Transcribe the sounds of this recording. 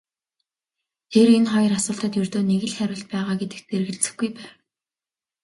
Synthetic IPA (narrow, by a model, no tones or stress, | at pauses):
t̪ʰeɾenχɔjɞ̆rasʊːɬt̪ə̆t̪jɵrt̪oːneɣɘ̆ɮχæɾʲʊ̆ɬt̪̚pæːʁaːɡet̪ɘ̆k̚t̪t͡serɣɘ̆ɮt͡sɘ̥̆xɡujpæːw